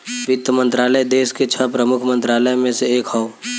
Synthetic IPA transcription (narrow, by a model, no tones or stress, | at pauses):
ʋɪt̪ːəmə̃nt̪ɾaːləjd̪eːsket͡ʃʰəpɾəmʊkʰmə̃nt̪ɾaːləjmẽseeːkɦɔo